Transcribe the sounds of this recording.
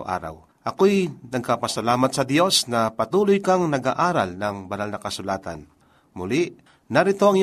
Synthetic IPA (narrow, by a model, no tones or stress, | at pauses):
ʔa̰ːɾa̰w | ʔɐkojnɐɡ̚kapɐsɐlaːmɐt̪̚sɐd̪jo̞snɐpɐt̪uːlojkɐŋnɐɡaʔaːɾɐlnɐŋbɐnalnɐkɐsʊlaːt̪ɐ̰n | mʊlɪʔ | nɐɾɪt̪o̞ʔɐŋj